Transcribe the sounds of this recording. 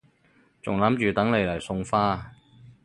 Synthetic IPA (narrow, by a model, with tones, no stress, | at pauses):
t͡sʊ̰˨ŋlɐ˨˥mt͡ʃyː˨t̪ɐ˨˥ŋle˨˧jlɐ˨˩jsʊ˧ŋfaː˥